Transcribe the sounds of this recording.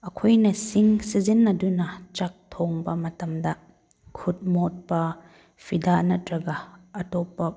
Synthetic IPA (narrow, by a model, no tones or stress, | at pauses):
ʔɐkʰɔjnɐsiŋsizinːɐdunɐt͡ʃɐk̚t̪ʰɔŋbɐmɐtɐmdɐ | kʰut̚mɔt̚pɐ | fʰidanɐt̚ɾɐɡaɐtɔpːɐ